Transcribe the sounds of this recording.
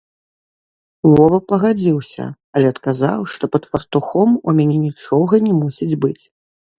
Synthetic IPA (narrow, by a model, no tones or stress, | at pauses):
mɔvɐpɐɣad͡zʲiwsʲɐ̰ | ɐlʲɛɐt̪kaza̰wʂt̪ɔpɐt̪fɐrt̪uxɔmumʲanʲɛnʲit͡ʂɔɣɐnʲɛmusʲid͡zʲbɨt͡sʲ